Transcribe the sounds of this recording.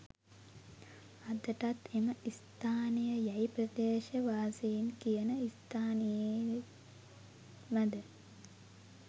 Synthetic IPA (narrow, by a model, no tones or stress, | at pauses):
ad̪əʈat̪eməʔist̪aːnijəjajprɐd̪eːʃəʋaːsejinkijənəist̪ʰaːnije | məd̪ə